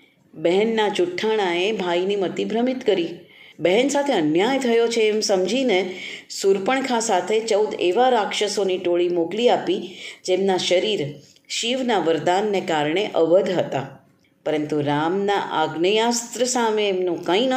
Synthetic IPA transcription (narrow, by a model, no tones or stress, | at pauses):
bɛɦɛnːat͡ʃʊʈʰːaɽ̃aebʱainimət̪ibɾəmit̪kəɾibɛɦɛnsat̪ʰeənjajt̪ʰəjot͡ʃʰeːmsəmd͡ʒʱinesuɾpəɳkʰasat̪ʰet͡ʃəwd̪eʋaɾakʃəsoniʈoɭimokliapid͡ʒemnaʃəɾiɾ | ʃiʋnaʋəɾd̪anːekaɾɳ̃eʔəʋəd̪ʱɦət̪a | pəɾənt̪uɾamnaʔaɡnəjast̪ɾəsameːmnũkə̃ĩn